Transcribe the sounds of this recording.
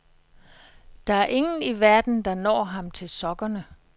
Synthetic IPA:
d̥ɑ̈æɐʔe̝ŋn̩iʋæɐd̥n̩d̥ɑ̈nɒ̰ːɦɑ̈mt͡sʰe̝lsɒ̽ɡ̥ɐnə

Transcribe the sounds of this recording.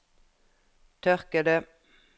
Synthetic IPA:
t̪ʰœʁkəd̪ə

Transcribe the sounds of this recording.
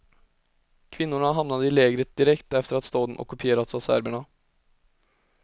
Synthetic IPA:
kʰʋɪnːʊɳaɦɑmnɑd̪əɪleːɡɾəd̪ɪɾɛkt̪ɛft̪əɾɑt̪st̪oːd̪n̩ʔɔ̰kːʉpʰɪeːɾɑt̪sɑːsæ̰ɾbəɳɑ

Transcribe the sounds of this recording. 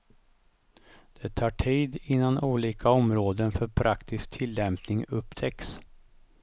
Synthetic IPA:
d̪̥ɛt̪ʰɑːʈʰiːd̪ɪnːanʔuːliːkʰaɔmɾoːd̪ənfœɾpʰɾʔakt̪ɪsk̚t̪ʰɪlːɛmpnɪŋɵpːt̪ʰɛks

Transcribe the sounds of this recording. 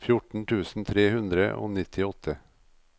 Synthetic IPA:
fjʊʈɳ̩t̪ʰʉːsn̩t̪ʰɾeːhʉnd̪ɾəʔo̰ːnɪt̪ʰɪɔt̪ʰə

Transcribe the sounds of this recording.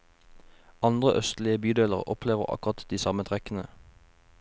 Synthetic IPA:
ɑnd̪ʁəʔœst̪lɪəbyːd̪eːləʁʔɔpʰleːʋəʁɑ̰kʊʁɑt̪d̪iːsɑmət̪ʰʁɛkənə

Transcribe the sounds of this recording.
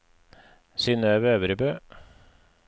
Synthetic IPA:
sɪnøːʋøːʋəɾəbøː

